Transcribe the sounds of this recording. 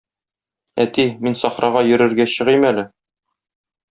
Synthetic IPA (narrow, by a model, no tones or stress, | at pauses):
æ̰t̪iminsɒχɾɑʁɑjɵ̆ɾɘ̆ɾɡæɕɤ̆ʁimælɘ